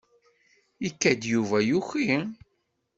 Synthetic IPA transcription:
ikːæd̪juvæjuçi

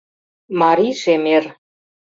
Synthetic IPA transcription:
mɑɾiʃemer

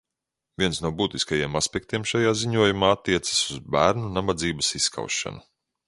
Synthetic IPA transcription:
vʲiɛnsnuɔbuːt̪iskajiɛmaspʲɛk̚t̪iɛmʃajaːziɲuɔjumaːat̪ːiɛt̪sḁsuzbæːɾnunabad̪ziːbɐsisːka̰wʃa̰nu

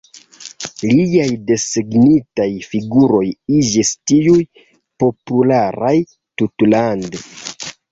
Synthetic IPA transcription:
liajde̞siɡnitajfiɡuɾo̞jid͡ʒistiuj | po̞pulaɾaj | tutlande

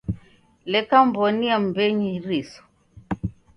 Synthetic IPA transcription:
lɛkambɔniam̩bɛɲiɾisɔ̥

